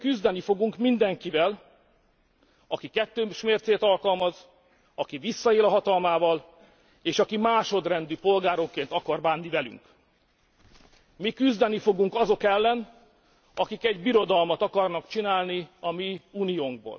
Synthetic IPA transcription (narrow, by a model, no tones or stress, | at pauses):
kyzd̪ɛnifo̞ɡuŋkmind̪ɛŋkivɛl | ɒkikɛt̪ːøːʃmeːrt̪seːt̪ɒlkɒlmɒz | ɒkivisːɒeːlɒɦɒt̪ɒlmaːvɒl | eːʃɒkimaːʃo̞d̪rɛnd̪ypo̞lɡaːɾo̞kkːeːnt̪ɒkɒrbaːnːivɛly̰ŋk | mikyzd̪ɛnifo̞ɡuŋkɒzo̞kɛlːɛn | ɒkikɛɟbiɾo̞d̪ɒlmɒt̪ɒkɒrnɒkt͡ʃinaːlniɒmiːuːnijoːŋɡ̚bo̰ːl